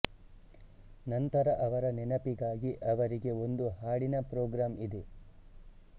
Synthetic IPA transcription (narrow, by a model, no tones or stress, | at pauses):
nɐnt̪ɐɾɐʔɐʋɐɾɐnɛnɐpiɡaːɡiʔɐʋɐɾiɡe̞o̞nd̪uɦaːɽinɐpɾoːɡɾaːmid̪e